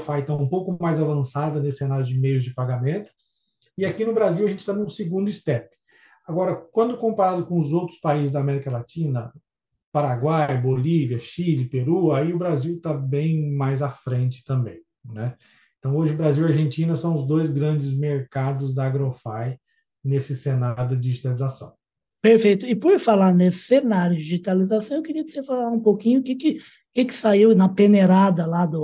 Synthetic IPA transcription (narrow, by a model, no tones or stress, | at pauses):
fajt̪aũpowkʊmajzavɐ̃sad̪ɐnesɪ̥senaɾjʊd͡ʒɪmejʊzd͡ʒɪpaɡamẽnt̪ʊ̥ | ɪakinʊbɾaziwɐʒẽnt͡ʃɪ̥t̪ãnũsɪɡũnd̪ʊist̪ɛpɪ̥ | aɡɔɾɐkwɐ̃nd̪ʊkõmpaɾad̪ʊkõʊzowt̪ɾʊspaizɪzd̪amɛɾikɐlat͡ʃĩnɐ | paɾaɡwajboliviɐʃilɪpeɾuaiʊbɾaziwt̪abẽj̃majzɐfɾẽnt͡ʃɪ̥t̪ɐ̃mbẽj̃ | nɛ | ẽt̪ɐ̃w̃oʒɪʊbɾaziwiaɾʒẽnt͡ʃĩnɐsɐ̃w̃ʊzd̪ojzɡɾɐ̃nd͡ʒɪzmeɾkad̪ʊzd̪ɐːɡɾofaj | nesɪsenaɾjʊd̪ɐd͡ʒiʒit̪alizasɐ̰̃w̃ | peɾfejt̪ʊɪpoɾfalaɾnesɪ̥senaɾjʊd͡ʒiʒit̪alizasɐ̃w̃ewkɪɾiɐko̥sefalaɾũpokĩɲʊkɪkɪ | kɪkɪ̥saiwnɐpeneɾad̪ɐlad̪ʊ